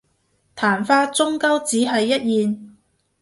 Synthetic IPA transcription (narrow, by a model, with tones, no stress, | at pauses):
t̪ʰaː˨˩nfaː˧t͡sʊ˥ŋkɐ˥wt͡siː˨˥ɦɐ˨jːɐ˥t̚jiː˨n